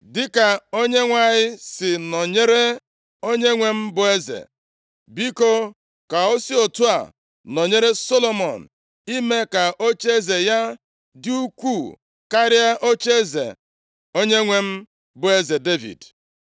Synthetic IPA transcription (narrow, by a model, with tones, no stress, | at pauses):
dɪ˦ka˨o˦ɲe˦ŋʷa˦ɲɪ˦sɪ˨nɔ˨ɲe˦ɾe˦ | o˦ɲe˦ŋʷe˨m̩˦bʊ˨e˦zḛ˨ | bi˦ko˦ | ka˨o˦si˦o˨tu˦a̰˨ | nɔ˨ɲe˦ɾe˦so˦lo˨mɔ˨n̩˨ | i˦me˦ka˨ʔo˦t͡ʃe˦ze˨ja˦ | dɪ˦u˦kʷu˦˨ | ka˦ɾɪ˦a˦ʔo˦t͡ʃe˦zḛ˨ | o˦ɲe˦ŋʷe˨m̩˦ | bʊ˨e˦ze˨de˦vḭ˨d